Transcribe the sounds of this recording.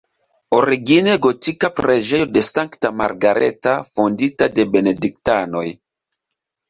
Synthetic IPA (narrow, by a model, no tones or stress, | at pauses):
oɾiɡineɡotikapɾeʒe̞jo̞de̞saŋktama̰ɾɡaɾḛtafonditade̞be̞nedik̚tano̞j